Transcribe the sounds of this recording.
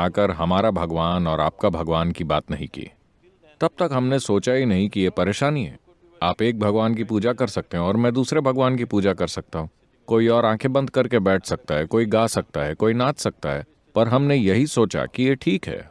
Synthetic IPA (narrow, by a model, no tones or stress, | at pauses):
aːkəɾɦɐmaːɾabʱɐɡʋaːnɔːɾa̰ːp̚kabʱɐɡʋaːnkibaːt̪nɐɦḭ̃kḭː | t̪ɐb̥̚t̪ɐkɦɐmnesoːt͡ʃaɦinɐɦĩkijepɐɾeːʃaːniɦɛ̰ː | aːpeːk̚bʱɐɡʋaːnk̬ipuːd͡ʒakɐɾsɐk̚t̪eɦẽɔːɾmɛ̃ːd̪uːsɾebʱɐɡʋaːnk̬ipuːd͡ʒakɐɾsɐk̚t̪aɦũː | koːiɔːɾãːkʰebɐ̃nd̪ʱkɐɾkebɛːʈʰsɐk̚t̪aɦɛkoːiɡaːsɐk̚t̪aɦɛkoːinaːt̪sɐk̚t̪aɦɛː | pɐɾɦɐmnejɐɦisoːt͡ʃa̰kijeʈʰiːkɦɛ̰ː